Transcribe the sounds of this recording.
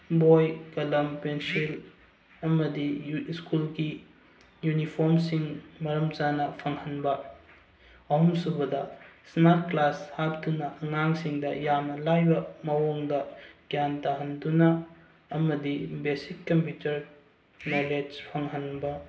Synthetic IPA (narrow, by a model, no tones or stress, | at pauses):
bojkɐlɐmpensil | ɐmɐdiskulɡi | junipʰoɾmsiŋmɐɾɐmt͡ʃanɐpʰɐŋhɐnbɐ | ɐhumsubɐdɐsnaɾt̚klashap̚dunɐʔɐŋaŋsiŋdɐjamnɐlajbɐmɐwoŋdɐɡjantaɦɐndunɐː | mɐdibesikːɐmpjutɐɾ | noled͡ʒpʰɐŋɦɐnbɐ